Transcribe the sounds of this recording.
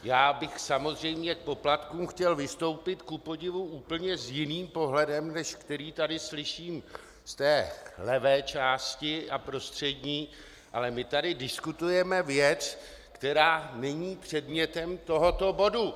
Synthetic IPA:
jaːbɪxsamo̞zrɛjmɲɛk̚po̞plat̪kuːmxcɛlvɪst̪o̞wpɪt̪kupo̞ɟɪvuʔuːpl̩ɲɛzjɪniːmpo̞ɦlɛdɛmnɛʃkt̪ɛɾiːt̪adɪslɪʃiːm | st̪ɛːlɛvɛːt͡ʃaːscɪʔapɾo̞st̪r̝̥ɛdɲiː | ʔalɛmɪt̪adɪdɪskut̪ujɛmɛvjɛt͡s | kt̪ɛɾaːnɛɲiːpr̥ɛdmɲɛt̪ɛmt̪o̞ɦo̞t̪o̞bo̞du

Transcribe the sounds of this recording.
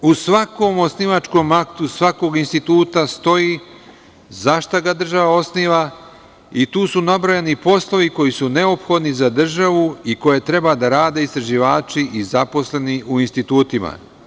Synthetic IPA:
usʋakomo̞sniʋat͡ʃko̞makt̪usʋako̞ɡinst̪it̪uːt̪ast̪o̞ji | zaʃt̪aɡad̪r̩ʒaʋao̞sniʋa | it̪uːsunabɾojanipo̞slˠo̞ʋiko̞jisune̞o̞pxo̞d̪nizad̪r̩ʒaʋuiko̞je̞t̪ɾe̞bad̪aɾaːd̪e̞ist̪ɾaʒiʋaːt͡ʃiʔizapo̞sle̞niʔuinst̪it̪uːt̪ima̰

